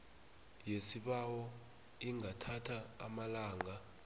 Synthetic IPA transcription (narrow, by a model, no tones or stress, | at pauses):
jesiɓawɔ | iŋʱatʰatʰa̰ːmalaːŋʱa